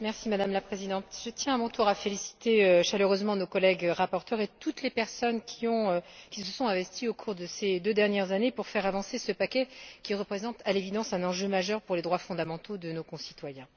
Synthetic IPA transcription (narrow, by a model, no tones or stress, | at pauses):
mɛʁsimad̪amlapχezid̪ɑ̃t̪ʒ̥ət̪jɛ̃amɔ̃t̪uʁafelisi̥t̪eøʃaløʁøzmɑ̃nokɔlɛɡʁapɔʁt̪œʁet̪ut̪lepɛʁsɔnkʲʰiɔ̃økʲisəsɔ̃t̪ɛ̃vɛst̪iokʰuʁd̪əsed̪ød̪ɛʁnjɛʁzanepuʁfɛʁavɑ̃sesəpakʲɛkʲiʁəpχezɑ̃t̪alevid̪ɑ̃sɛ̃nɑ̃ʒømaʒœʁpuʁled̪ʁwafɔ̃d̪amɑ̃t̪od̪ənokɔ̃si̥t̪wajɛ̃